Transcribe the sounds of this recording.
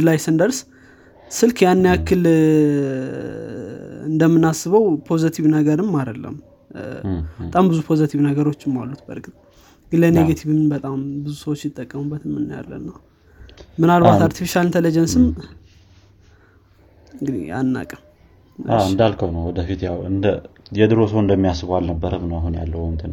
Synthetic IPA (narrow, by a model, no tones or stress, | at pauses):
d̪lajsɨnd̪əɾs | sɨlkjanːjakːɨl | ɨnd̪əmːɨnasːɨβəwpʰo̞zit̪ʰiβnəɡəɾɨmːad̪əlːə̰m | bt̪ʼambɨzupʰo̞zit̪ʰiβnəɡəɾo̞t͡ʃːɨmːalːut̪bə̰ɾkʼt̪ʼ | ɡɨləneɡat̪ʰiβɨmbət̪ʼambɨzusəwot͡ʃːjɪt̪ʼːəkʼːəmubːət̪ɨmːɨnːəja̰lːə̰nːəw | mɨnalβat̪aɾt̪ʰifiʃalɨnt̪ʰelid͡ʒənsɨm | ɨŋɡɨd̪ḭa̰nːa̰kʼəm | aɨnd̪alkʰəwnəwɔd̪əfit̪jawɨnd̪əjɛd̪ɨɾosəwɨnd̪əmːijasːɨβalnəbːəɾəmnəwaɦunja̰lːəwənt̪ʰɨn